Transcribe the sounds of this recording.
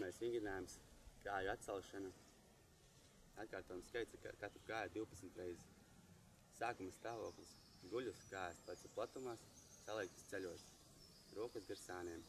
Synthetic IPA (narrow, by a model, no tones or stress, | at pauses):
piɾmajsiŋɡ̪ʲnaːjumskaːjuat̪salˠʃana | at̪kaːɾt̪ɔjumskajt̪sakat̪ɾukaːjad̪iwpat̪sm̩t̪ɾɛjz | saːkumst̪aːvoɔklˠis | ɡuʎʲuskaːjaspat̪saplˠat̪umaːsːalˠɛjk̚t̪i̥st̪selʲuɔɾs | ɾuɔkuzɡɨɾsaːnɛɛm